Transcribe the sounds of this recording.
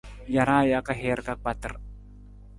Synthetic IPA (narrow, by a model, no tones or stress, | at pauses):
jaɾajakaɦɛrkak̚bat̪ər